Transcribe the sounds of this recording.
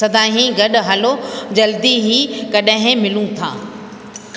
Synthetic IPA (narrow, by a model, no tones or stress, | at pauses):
ɐd̪ʱaːɦĩɡɐɗʊɦɐlod͡ʑɐld̪iɦikɐɗɦɪ̃mɪlũt̪ʰa̰ː